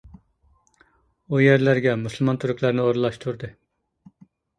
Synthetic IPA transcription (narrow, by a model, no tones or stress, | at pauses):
ujæɾlæɾɡʲɛmuslˠmɑnt̪ʰyɾykʲʰlˠæɾnɪoɾlˠɑʃt̪ʰuɾd̪ɨ